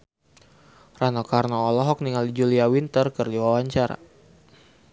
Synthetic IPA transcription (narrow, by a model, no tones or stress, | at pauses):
ranɔkarnɔːlɔɦɔk̚niŋalid͡ʒuliawint̪ərkərdiwawaɲt͡ʃaɾa̰